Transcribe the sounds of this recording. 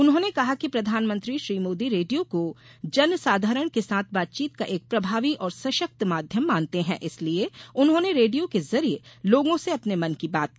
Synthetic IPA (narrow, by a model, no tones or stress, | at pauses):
ʊnɦõːnekɐɦakipɾɐd̪ʱaːnmə̃nt̪ɾiʃɾiːmoːd̪iɾeːɖijokod͡ʒɐnsaːd̪ʱaːɾəɽ̃kesaːt̪ʰbaːt̪̚t͡ʃiːt̪̚kaʔeːk̚pɾɐbʱaːʋiʔɔːɾsɐʃək̚t̪maːd̪ʱjəmːãːnt̪eɦɛ̰̃ʔɪslieʊnɦõːneɾeːɖijokezɐɾieloːɡõseɐpnemɐnkibaːt̪̚ki